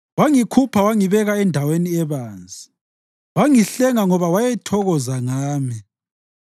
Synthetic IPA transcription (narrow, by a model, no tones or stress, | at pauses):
waŋikʰupʰawaŋiβɛɣaɛndʱaweniɛβaːnd͡zʱi | waŋiɬɛŋaŋɔβawajɛtʰɔɣɔzaŋaːmi